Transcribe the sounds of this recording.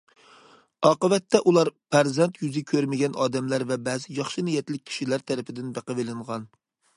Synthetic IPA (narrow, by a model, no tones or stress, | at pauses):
ɑːqəvɛt̪ʰːɛʔulˠɑɾpʰæɾzɛnt̪jyzɪkʲʰøɾmɪɡʲɛnɑːd̪ɛmlæɾvɛbɛːzɪjɑχʃɨnɪjɛt̪ɪlɪk̚ʲʰi̥ʃilæɾt̪ʰɛɾɪpʰɪd̪ɪnbæqəvelɪɴʁɑn